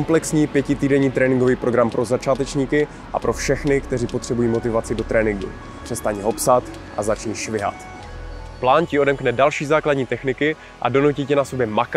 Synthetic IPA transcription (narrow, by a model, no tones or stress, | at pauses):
mplɛksɲiːpjɛcɪt̪iːdɛɲiːt̪ɾɛːnɪŋɡoviːpɾo̞ɡɾampɾo̞zat͡ʃaːt̪ɛt͡ʃɲiːkɪ | ʔa̰pɾo̞fʃɛxnɪkt̪ɛriːpo̞t̪r̝̥ɛbujiːmo̞t̪ɪvat͡sɪdo̞t̪ɾɛːnɪŋɡṵ | pr̥ɛst̪aɲiɦo̞psat̪ | ʔa̰zat͡ʃniːʃvɪɦa̰t̪ | plaːncɪo̞dɛmknɛdalʃiːzaːkladɲiːt̪ɛxnɪkɪ | ʔa̰do̞nucicɛnaso̞bjɛmak